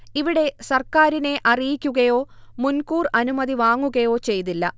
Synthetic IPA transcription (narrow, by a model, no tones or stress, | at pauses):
iʋiɽe̞sɐrkaːɾine̞ʔɐrijikʲːuɣɐjo̞ːmunkuːrɐnumɐd̪iʋaːŋːuɣɐjo̞ːt͡ɕe̞jt̪ilːɐ̰